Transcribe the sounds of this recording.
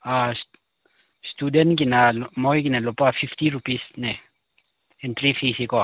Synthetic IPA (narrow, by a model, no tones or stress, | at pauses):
as | st̪udɛnk̬inalmojkinalopafift̪iɾupisne | ent̪ɾifisiko